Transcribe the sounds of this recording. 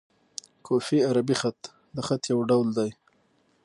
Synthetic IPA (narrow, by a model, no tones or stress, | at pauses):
kʰofiaɾabixat̪ | d̪əxat̪jawɖawld̪aj